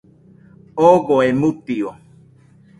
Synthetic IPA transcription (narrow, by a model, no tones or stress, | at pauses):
oɣoemut̪io